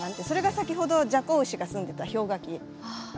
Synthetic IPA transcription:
ãnt̪ːeso̞ɾe̞ɡasakʲiɦo̞d̪o̞d͡ʑakoɯ̟ɕiɡasɨ̃nd̪e̞t̪aço̞ːɡakʲi

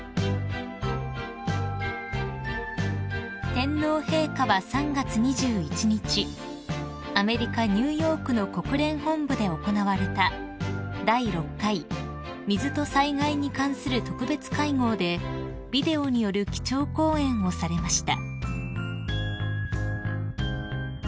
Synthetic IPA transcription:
t̪ẽ̞nːo̞ːhe̞ːkaβasãŋɡat͡sɨɲ̟iʑɨːit͡ɕiɲ̟it͡ɕi | ame̞ɾʲikaɲ̟ɨːjo̞ːkɯ̟no̞ko̞kɯ̟ɾẽ̞ɰ̃hõ̞mbɯ̟d̪e̞o̞ko̞naβaɾe̞t̪a | d̪aiɾo̞kːai | mʲizɨt̪o̞saiɡaiɲ̟ikãɰ̃sɨɾɯ̟t̪o̞kɯ̟be̞t͡sɨ̥kaiŋo̞ːd̪e̞ | bʲid̪e̞o̞ɲ̟ijo̞ɾɯ̟kʲi̥t͡ɕo̞ːko̞ːẽ̞ɰ̃o̞saɾe̞maɕi̥t̪a̰

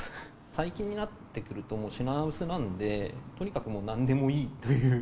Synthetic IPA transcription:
saikʲĩɲ̟ːinat̪ːe̞kɯ̟ɾɯ̟t̪o̞moːɕinabɯ̟sɨnãnd̪e̞t̪o̞ɲ̟ikakɯ̟moːnãnd̪e̞mo̞iːt̪o̞jɯ̟ː

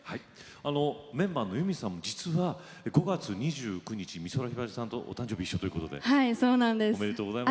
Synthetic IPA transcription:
hai | ano̞mẽ̞mbaːnːo̞jɯ̟mʲisãmːo̞d͡ʑit͡sɨβa | eɡo̞ɡat͡sɨɲ̟iʑɨːkɯ̟ɲ̟it͡ɕimʲiso̞ɾaçibaʑisãnt̪o̞ʔt̪ãɲ̟d͡ʑo̞ːbiɕːo̞t̪o̞jɯ̟ko̞t̪od̪e̞̰haisoːnãnd̪esomeɾet̪oːɡozaim

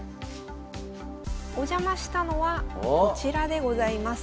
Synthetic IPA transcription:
o̞ʑamaɕi̥t̪ano̞βat͡ɕiɾad̪e̞ɡo̞zaimas

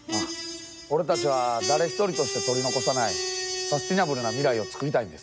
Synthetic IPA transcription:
a | o̞ɾe̞t̪at͡ɕiβ̞ad̪aɾe̞çi̥t̪o̞ɾʲit̪o̞ɕi̥t̪e̞t̪o̞ɾʲino̞ko̞sanaisast͡ɕʲinabɯ̟ɾɯ̟namʲiɾaio̞t͡sɨ̥kɯ̟ɾʲit̪aĩnd̪e̞s

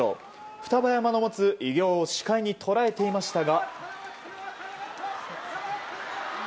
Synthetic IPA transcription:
o̰ | ɸɯ̟t̪abajamano̞mo̞t͡sɨʔiɡʲo̞ːoɕi̥kaiɲ̟it̪ʰo̞ɾae̞t̪e̞imaɕi̥t̪aɡa

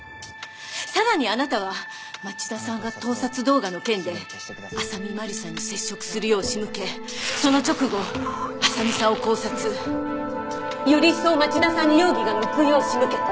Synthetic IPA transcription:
saɾaɲ̟ianat̪aβa | mat͡ɕid̪asãŋɡat̪o̞ːsat͡sɨd̪o̞ːɡano̞kẽ̞nd̪e̞ | asamʲimaɾʲisãɲ̟ːise̞ɕːo̞kɯ̟̥sɨɾɯ̟jo̞ːɕimɯ̟ke̞ | so̞no̞t͡ɕo̞kɯ̟ɡo̞asamʲisãoko̞ːsat͡sɨ | joɾʲiso̞ːmat͡ɕid̪asãɲ̟ːijoːɡʲiɡanokɯ̟jo̞ːɕimɯ̟ke̞t̪a

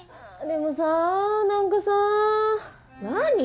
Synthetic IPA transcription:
d̪emosanãŋkasa | naɲ̟i

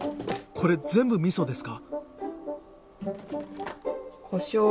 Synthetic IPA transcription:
kʰo̞ɾe̞d͡zẽ̞mbɯ̟mʲiso̞d̪e̞sɨ̥ka | kʰoɕoː

